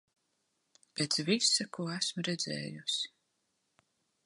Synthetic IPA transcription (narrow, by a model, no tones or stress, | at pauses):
pet̪svisakuɔæsmuɾɛd̪zɛ̰ːjusi̥